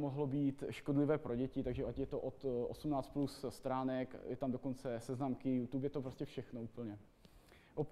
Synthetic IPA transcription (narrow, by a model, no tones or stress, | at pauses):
moɦlobiːt̪ʃkodlɪvɛːpɾoɟɛcɪt̪aɡʒɛʔacjɛt̪oʔot̪ʔo̰sumnaːt͡st̪plusst̪ɾaːnɛkjɛt̪amdo̞ko̞nt͡sɛsɛznamkɪjut̪uːpjɛt̪opɾoscʲɛfʃɛxnouːpl̩ɲɛ | ʔop